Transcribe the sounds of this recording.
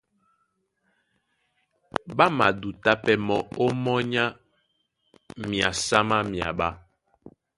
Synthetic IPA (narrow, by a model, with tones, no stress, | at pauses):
ba˦ma˨du˨ta˦pɛ˦mɔ˦o˦mɔ˦ɲa˦ | mi˨a˨sa˦ma˦mja̰˨ɓa˦